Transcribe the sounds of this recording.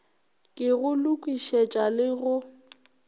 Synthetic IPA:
kʼɪɣʊlʊkʼwiʃɛt͡ʃʼalɪɣʊ

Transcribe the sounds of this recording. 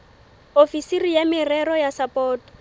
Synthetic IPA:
ofisirijamɪrɛɾɔjasapʼɔːtɔ̥

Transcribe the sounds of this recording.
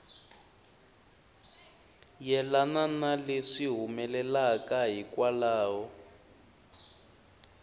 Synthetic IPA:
jɛlananaleʂiɦumɛlɛlakaɦikwalaːwɔ

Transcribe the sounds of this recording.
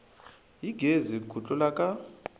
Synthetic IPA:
jiɡʱezikʰut͡ɬʼɔlakʼa

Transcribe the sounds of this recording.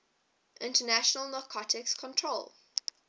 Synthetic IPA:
ʔɪ̃ntənæʃənəlˠnɔkʰɔtʰɪkskʰɔ̃ntʰɹoʊlˠ

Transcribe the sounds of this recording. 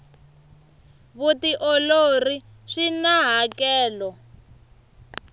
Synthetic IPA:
βutiʔɔlori | ʂinaɦakɛːlɔ

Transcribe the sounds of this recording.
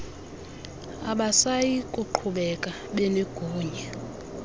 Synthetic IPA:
aɓasajikʼuǃʰuɓɛkʼa | ɓɛleɡ̥ʱuːɲɛ

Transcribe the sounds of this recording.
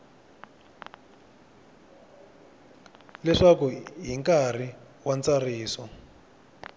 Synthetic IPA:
lɛʂakuɦiŋkar̤i | want͡sariːsɔ

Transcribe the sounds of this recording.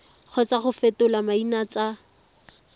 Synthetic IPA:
χɔt͡saχʊfetʊlamainat͡sa

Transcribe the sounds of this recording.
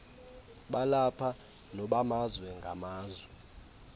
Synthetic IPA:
ɓalapʰa | nɔɓamazwɛŋɡʱa̰maːzwɛ

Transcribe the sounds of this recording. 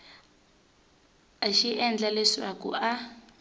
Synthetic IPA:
aʃiʔɛnd͡ɮalɛʂa̰kṵʔa

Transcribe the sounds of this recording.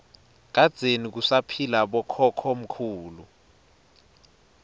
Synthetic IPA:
k̬ad̥z̥ʱenik̬usapʰilaɓɔkʰɔkʰɔm̩kʰuːlu

